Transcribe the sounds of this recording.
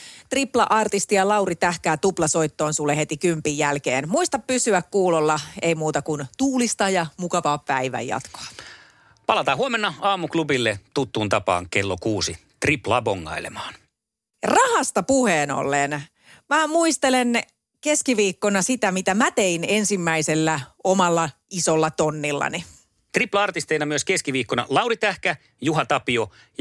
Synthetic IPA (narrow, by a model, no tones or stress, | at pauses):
t̪riplɑ̰ʔɑrt̪ist̪ijɑlɑurit̪æhkæːt̪uplɑsoit̪ːoːnsulːehet̪ikympijjælkḛːnmuist̪ɑppysyækkuːlolːɑeimuːt̪ɑkunt̪uːlist̪ɑjɑmukɑʋɑːppæiʋæ̰jɑ̰t̪ko̥ɑ | pɑlɑt̪ɑːhuomenːɑɑːmuklubilːet̪ut̪ːuːnt̪ɑpɑ̰ːŋkelːokuːsi | t̪riplɑːpoŋːɑ̰ilemɑːn | rɑhɑst̪ɑpuheːno̰lːen | mæmuist̪elen | keskiʋiːkːonɑsit̪æmit̪æmæt̪einensimːæiselːæomɑlːɑisolːɑt̪onːilːɑ̰ni | t̪riplɑɑrt̪ist̪einɑmyøskeskiʋiːkːonɑ̰lɑwrit̪æhkæ | juɦɑt̪ɑpio | j